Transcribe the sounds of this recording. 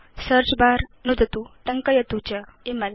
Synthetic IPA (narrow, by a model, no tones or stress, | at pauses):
səɾt͡ɕbaɾnud̪ət̪ut̪əŋkəjət̪ut͡ɕə | iməl